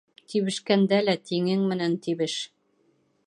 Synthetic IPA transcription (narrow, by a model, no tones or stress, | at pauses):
t̪ʰiβɘ̆ʃkænd̪ælæt̪iŋɘŋmɘ̆nænt̪iβɘʃ